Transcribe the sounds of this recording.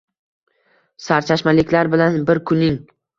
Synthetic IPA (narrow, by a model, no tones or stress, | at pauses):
saɾt͡ʃʰaʃmalɪkʲʰlaɾbɪlanbɪɾkʰʊnːɪŋ